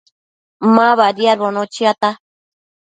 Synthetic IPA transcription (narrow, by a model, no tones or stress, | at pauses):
mãβaɾiaɾβonõt͡ʃiat̪a